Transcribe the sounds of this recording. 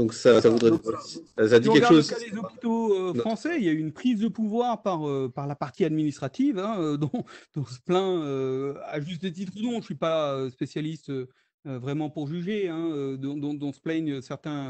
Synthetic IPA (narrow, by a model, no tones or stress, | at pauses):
d̪ɔ̃ksasavud̪ʁɛ | sad̪ĩʁkɛɡkadʃokalezɔpit̪oøfχɑ̃sɛiljayːnpχizd̪əpuvwaʁpaʁøpaʁlapaʁt̪iad̪minist̪χat̪ivɛ̃ød̪ɔ̃d̪̥ɔ̃sə̥plɛ̃øaʒys̬t̪̚ət̪̬it̪χunɔ̃əsɥipaøspesjalist̪øː | vʁɛmɑ̃puʁʒyʒeɛ̃ød̪ɔ̃d̪ɔ̃d̪ɔ̃splɛɲøsɛʁt̪ɛ̃